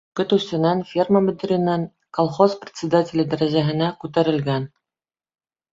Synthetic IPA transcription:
kɵ̆t̪ʉst̪ɘ̆nænfʲirməbɘ̆d̪ɘ̆ɾʲɘ̆næŋ | kolˠχosprʲɪ̥t̪sʲɪd̪atʲɪlʲɘ̆d̪æɾæʑæɦɘ̆nækʉt̪æɾɘ̆lɡæn

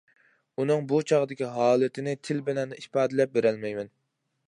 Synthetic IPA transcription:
unɨŋbut͡ʃʰɑʁd̪ɪkʲiɦɑːlˠɨt̪ʰɪnɪt̪ʰɪlbɪlɛnːipɑːd̪ɪlɛp̚beɾɛlmɛjmɛn

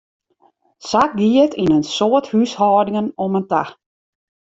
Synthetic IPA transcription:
sak̚ɡiətʰinənsoəthyshɔːdɪŋənomənta

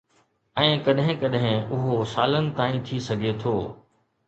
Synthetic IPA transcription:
ɛ̃ːkɐɗɦɪ̃kɐɗɦɪ̃ʊɦosaːlənɪ̆t̪aːĩt̪ʰisɐɡʱet̪ʰoː

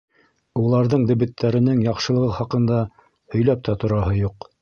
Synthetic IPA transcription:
ulˠɑɾðɤɴd̪ɵ̆βɘ̆t̪ʰːæɾɘ̆nɘŋjɑqʃɤ̆lˠɤ̆ʁɤχɑqɤ̆nd̪ɑ | hɵ̆jlæp̚t̪æt̪ŏɾɑɦɤjuq

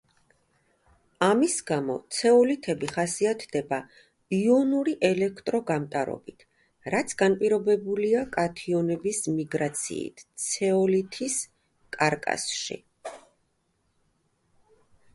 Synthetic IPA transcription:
amisɡamɔ̰t̪sʰɛɔlit̪ʰɛbiχasiat̪ʰd̪ɛba | iɔnuɾiʔɛlɛkʰt̪ʼɾɔɡamt̪ʼaɾɔ̰bit̪ʰ | ɾat̪sʰɡanpʼiɾɔbɛbuliakʼat̪ʰiɔnɛbismiɡɾat̪sʰḭːt̪ʰt̪sʰɛɔlit̪ʰis | kʼaɾkʼa̰sʃḭ

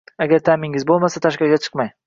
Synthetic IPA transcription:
aɡʲaɾt̪ʰamɪŋɪzbolˠmasat̪ʰaʃkʲaɡʲat͡ʃʰɨ̥qmaj

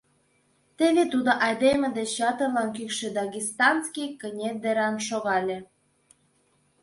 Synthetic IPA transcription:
t̪eβet̪ud̪oʔɑjd̪emĕd̪et͡ɕːɑt̪ɤ̆rlɑnkykʃĕd̪ɑɣʲist̪ɑnskijkə̆nʲed̪eɾɑmʃoɣɑlʲĕ

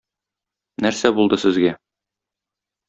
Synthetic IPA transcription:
næɾsæbulˠd̪ɤsɘ̆zɡæ

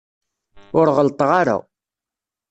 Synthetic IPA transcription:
ʊɾʁəlt̪ˤʁaɾa̰

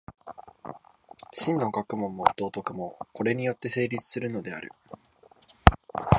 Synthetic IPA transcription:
ɕĩnːo̞ɡakɯ̟mõ̞mːo̞d̪̥o̞ːt̪o̞kɯ̟mo̞ko̞ɾe̞ɲ̟ijo̞t̪ːe̞se̞ːɾʲit͡sɨ̥sɨɾɯ̟no̞d̪e̞a̰ɾɯ̟̰

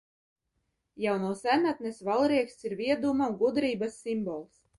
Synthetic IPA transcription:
jawnuːsænat̪̚nesvalˠɾiɛkst̪iɾvʲiɛd̪umauɡud̪ɾiːbasːimbɔlˠs

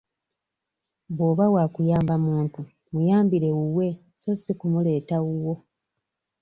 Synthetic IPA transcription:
βo̞ːβawaːkujaːmbamuːntu | mujaːmbiɾe̞uwe̞ | so̞sikumule̞ːtauwo̞

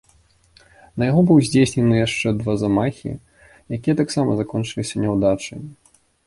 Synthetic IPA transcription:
nɐjaɣɔbɨwzʲd͡zʲesʲnʲɛnɨjaʂt͡ʂɛd̪vazamaxʲḭ | jakʲijɛt̪aksamɐzakɔnt͡ʂɨlʲisʲɐnʲɛwd̪at͡ʂɨ̰

